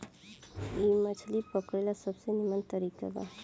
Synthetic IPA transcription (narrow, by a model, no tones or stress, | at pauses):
imət͡ʃʰlipəkɾelasəbsenimant̪əɾika̰ba̰